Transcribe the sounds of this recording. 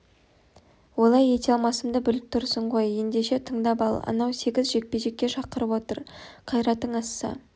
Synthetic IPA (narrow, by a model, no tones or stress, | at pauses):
wo̞lˠɑje̞t̪ʲeɑlˠmɑsəmd̪əbʏlɪp̚t̪ʰʊɾsəɴʁo̞je̞nd̪e̞ʃe̞t̪ʰəɴd̪ɑpɑlˠɑ̰nɑwse̞ɡʲɪzʒe̞k̚pe̞ʒe̞kʲːe̞ʃɑqəɾəpwo̞t̪əɾqʰɑjɾɑt̪ːəɴɑsːɑ̰